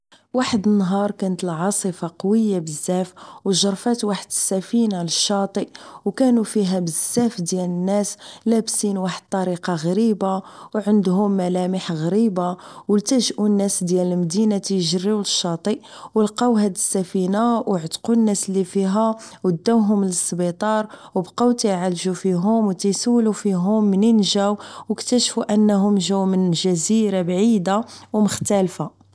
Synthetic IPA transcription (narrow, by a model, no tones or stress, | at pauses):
waħəd̪ənːɦɑɾˤkænət̪əlʕɑsˤəfɑqɑwəjːabəzːæfwʒɑɾˤfæt̪waħəd̪əsːæfinaləʃːɑt̪ˤiʔwkænufiɦæbəzːæfd̪jælənːæslæbsinwaħəd̪̚t̪ˤɑɾiqɑɣɾibawʕənd̪ɦʊmːælæməħɣɾibawəlt̪æʒʔunːæsd̪jæləlmd̪inat̪æjʒərːiwləʃːɑt̪ˤiʔwəlqɑwɦæd̪əsːæfinawʕt̪qunːæslːifiɦæwəd̪ːæwɦʊmləsːbit̪ˤɑɾˤwəbqɑwt̪æjʕalʒufiɦʊmwt̪æjsəwːlufiɦʊmːənənʒæwwəkt̪æʃfuʔənːɦʊmʒæwmənʒæziɾabʕid̪awməxt̪ælfa